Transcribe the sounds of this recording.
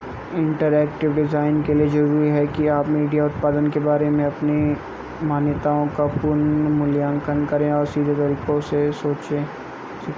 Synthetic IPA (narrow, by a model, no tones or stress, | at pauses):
ɪ̃ɳʈəɾɛːkʈɪʋɖɪzaːɪnkelied͡ʒɐɾuːɾiɦɛkiaːpmiːɖijaʊt̪̚paːd̪ənkebaːɾemẽɐpni | maːnjət̪aõkapʊɾnmʊljãːŋkənkɐɾẽɔːɾsiːd̪ʱet̪ɐɾiːkõsesoːt͡ʃẽː | s